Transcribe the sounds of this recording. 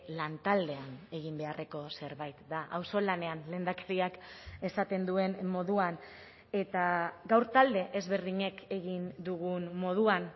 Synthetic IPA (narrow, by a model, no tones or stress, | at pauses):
lant̪ald̪e̞ane̞ɣ̞imbe̞are̞ko̞se̞ɾβajt̪d̪aʔawso̞lane̞anle̞ːnd̪akeɾiake̞sat̪e̞nd̪ue̞nmo̞ðuan | e̞t̪aɡawɾt̪ald̪e̞ʔezβe̞ɾðiɲe̞ke̞ɣind̪uɣunmo̞ð̞uan